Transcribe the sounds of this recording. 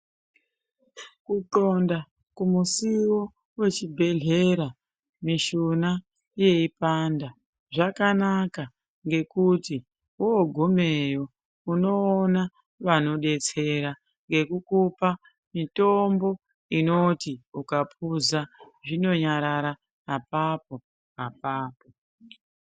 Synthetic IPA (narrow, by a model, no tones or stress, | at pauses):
kutonda | kumusiwo̞ | we̞t͡ʃibʱe̞ɮe̞ɾa | miʃuna | je̞ipanda | ʐakanaka | ŋɡe̞kuti | woːɡʱome̞jo̞ | uno̞ːna | ʋano̞ɗe̞t͡se̞ɾa | ŋɡe̞kukupa | mito̞mbo̞ | ino̞tiukapuza | ʐino̞ɲaɾaɾa | apap̚o̞ | apaːpo